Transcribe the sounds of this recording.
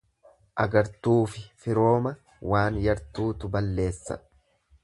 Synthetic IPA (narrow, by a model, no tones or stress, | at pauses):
ʔɐɡɐɾt̪uːfɪfɪɾo̞ːmɐ | waːnjɐɾt̪uːt̪ʊbɐlːe̞ːsːɐ̰